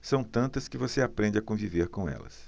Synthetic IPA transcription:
sɐ̃w̃t̪ɐ̃nt̪ɐskɪvoseapɾẽnd͡ʒɪɐkõviveɾkõɛ̰lɐ̰s

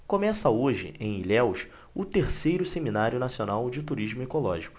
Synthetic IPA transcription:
kõmɛsɐoʒɪ̰ʔẽj̃iʎɛwʃ | ʊt̪eɾsejɾʊseminaɾjʊnasionawd͡ʒɪt̪uɾiʒmʊekolɔʒikʊ̥

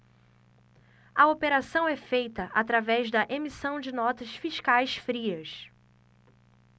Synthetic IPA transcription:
ɐopeɾasɐ̃w̃ɛfejt̪ɐʔat̪ɾavɛzd̪ɐʔemisɐ̃w̃d͡ʒɪnɔt̪ɐsfiʃkajsfɾiɐs

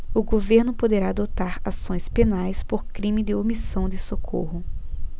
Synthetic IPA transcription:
ʊɡoveɾnʊpod̪eɾaːd̪ot̪aɾasõj̃spenajspoɾkɾĩmɪd̪ɪomisɐ̃w̃d̪ɪsokʰo̰hʊ

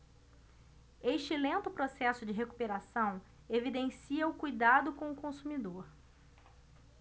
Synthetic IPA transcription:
eʃt͡ʃɪlẽnt̪ʊpɾosɛsʊd͡ʒɪɦeku̥peɾasɐ̃w̃ | evid̪ẽsiɐʊkujd̪ad̪ʊkõw̃ʊkõsumid̪oɾ

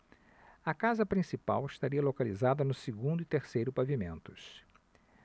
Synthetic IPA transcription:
ɐkazɐpɾĩsipa̰wɪʃt̪aɾiɐlokalizad̪ɐnʊsiɡũnd̪ʊit̪eɾsejɾʊpavimẽnt̪ʊs

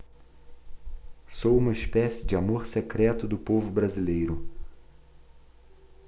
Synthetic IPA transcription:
sowũmɐispɛsɪd͡ʒɪamoɾsekɾɛt̪ʊd̪ʊpovʊbɾazilejɾʊ

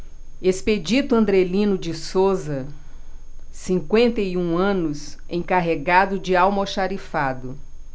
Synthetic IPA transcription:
esped͡ʒit̪ʊɐ̃nd̪ɾelĩnʊd͡ʒɪsozɐ | sĩŋkwẽnt̪ejũɐ̃nʊsẽkaɦeɡad̪ʊd͡ʒɪawmoʃaɾifad̪ʊ

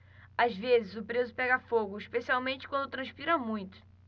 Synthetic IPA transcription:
azvezɪzʊpɾezʊpɛɡɐfoɡʊiʃpesiawmẽnt͡ʃɪkwɐ̃nd̪ʊt̪ɾɐ̃ʃpiɾɐmũj̃t̪ʊ̥

